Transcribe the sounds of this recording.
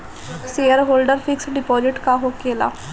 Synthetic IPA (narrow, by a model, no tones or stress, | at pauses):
seːəɾɦoːlɖəɾpʰɪksɖɪpɔːzɪʈkaːɦoːkeːla̰ː